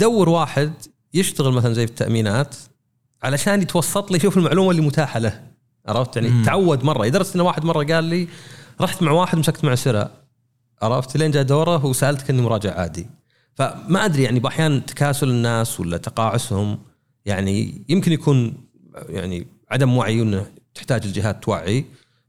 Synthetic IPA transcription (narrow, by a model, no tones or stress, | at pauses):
d̪awːɪɾwaːħɪd̪ | jɪʃt̪aɣɪlmaθalanzajːfit̪ːa̰ʔmiːnaːt̪ | ʕalaʃaːnt̪wɑsˤːɑt̪ˤliʃuːfɪlmaʕluːmalːimʊt̪aːħalah | ʔɑ̰ɾˤɑft̪jaʕnit̪ʕawːad̪mɑrˤːɑjɪd̪ɑɾˤɑst̪ʔɪnːawaːħɪd̪mɑrˤːɑɡaːlːiɾˤɑħt̪maʕwaːħɪd̪mɪʃakt̪mʊʕsɪɾa̰ | ʔɑɾˤɑft̪leːnd͡ʒaːd̪oːɾˤɑwsaʔalt̪kʔɪnːimʊɾˤɑːd͡ʒɪʕa̰ːd̪ḭ | famaʔad̪ɾijaʕnibʔaħjaːnt̪ḁkaːsʊlɪnːaːswa̰lːat̪ɑqɑːʕʊshʊm | jaʕnḭjɪmkɪnjakʰuːn | ja̰ʕnḭ | ʕad̪amwaʕiʔɪnːa | t̪ɪ̥ħt̪aːd͡ʒɪld͡ʒɪɦaːt̪ːwa̰ʕːi